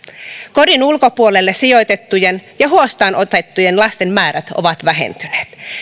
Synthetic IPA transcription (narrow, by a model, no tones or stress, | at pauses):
koɾinulko̞puolelːesijo̞jt̪e̞t̪ːujenjɑɦuost̪ɑːnʔot̪e̞t̪ːujenlɑst̪e̞mmæːɾæt̪o̰ʋɑt̪ʋæɦḛnt̪yneːt̪